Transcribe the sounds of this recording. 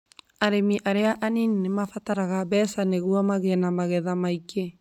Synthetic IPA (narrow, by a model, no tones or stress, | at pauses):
aɾemiʔaɾeaʔanininemafataɾaɣaβɛsaneɣuamaɣɛnamaɣɛðamaike